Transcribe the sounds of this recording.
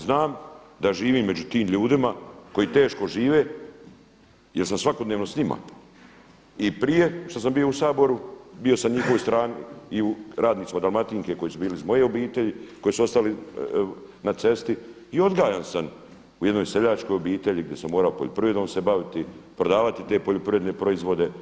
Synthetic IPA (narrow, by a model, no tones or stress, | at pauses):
znaːmd̪aʒiːʋiːmːe̞d͡ʒut̪iːmʎuːd̪imako̞jiːt̪e̞ːʃko̞ʒiːʋe̞ː | jelsamsʋakod̪neːʋnosɲima̰ | ipɾije̞ʃt̪os̬ambio̞usaːbo̞ɾubio̞samɲixo̞ʋojst̪ɾaːniiuɾaːd̪niːt̪imad̪alˠmat̪iːŋke̞ko̞jisubiːlizmo̞je̞o̞biːt̪eʎiko̞jisuo̞st̪ali | nat̪se̞st̪i | io̞d̪ɡaːjansam | ujed̪no̞jse̞ʎaːt͡ʃko̞jobiːt̪e̞ʎiɡd̪je̞samːo̞ːɾaopoʎopɾiʋed̪o̞ːmsebaʋit̪ipɾo̞d̪aːʋat̪it̪eːpoʎopɾiʋed̪nepɾo̞izʋo̞d̪e̞